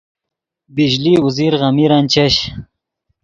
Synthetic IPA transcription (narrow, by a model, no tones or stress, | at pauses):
bid͡ʑliuziɾʁamiɾant͡ɕaɕ